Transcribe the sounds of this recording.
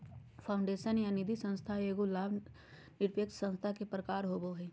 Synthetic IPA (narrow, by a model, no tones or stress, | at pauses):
pʰaːʊ̃ɳɖeːʃənjanɪd̪ʱisə̃nst̪ʰaeːɡolaːb | nɪɾpjək̚t̪sə̃nst̪ʰakepɾəkaːɾɦoːboɦɛː